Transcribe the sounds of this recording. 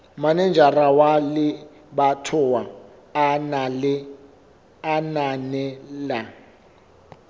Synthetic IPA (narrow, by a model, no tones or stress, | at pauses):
manɛnd͡ʒʱarawalɪ | batʰʊwa | nlɪ | ananɛla